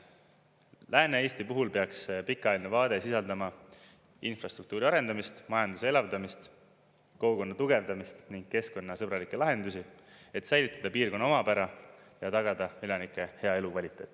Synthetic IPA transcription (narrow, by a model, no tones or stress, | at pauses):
lʔæːnee̞ːst̪ipuɦulpe̞ɑkspikːˑɑːlʲinevɑːd̪̥e̞sisɑld̪ɑmɑ | infrɑst̪ɾrukt̪uːɾiɑɾe̞nd̪ɑmist̪mɑjɑnd̪̥usee̞lɑvd̪ɑmist̪ | ko̞uko̞nːɑt̪uɡ̥e̞vd̪̥ɑmist̪niŋɡ̥̚ke̞sko̞nːɑsɤbɾɑlikːˑe̞lɑɦe̞nd̪usi | e̞t̪sæjlit̪ːˑɑd̪ɑpiːrko̞nːɑomɑpæɾɑ | jɑt̪ɑɡ̥ɑd̪̥ɑelɑnikːˑe̞he̞ɑe̞lukvɑlʲit̪ˑe̞ːt̪ːˑ